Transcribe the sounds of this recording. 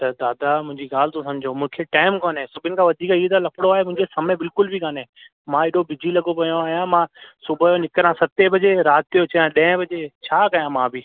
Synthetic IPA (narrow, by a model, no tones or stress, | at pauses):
t̪ɐd̪aːd̪amʊ̃ɦɪ̃ɲd͡ʑiɡaːl̤ɪt̪õsɐ̃md͡ʑʱomʊ̃ːɪ̃kʰeʈaːɪmkoːnɦẽsʊbʱɪnɪ̆kʰãːʋɐd̪ʱiːkiet̪ɐlɐkɽoaːɦemʊ̃ɦɪ̃ɲd͡ʑesɐmẽbɪlkʊlbʱikaːnẽː | mãːɪɗobɪd͡ʑʱilɐɠopɐjõaːɦijãmãsʊbʱjonɪkɾãsɐt̪ebʱɐd͡ʑeɾaːt̪̚t̪ijot͡ɕɐjãɗɐ̃ə̃bʱɐd͡ʑet͡ɕʰaːkɐjãmãːbɪ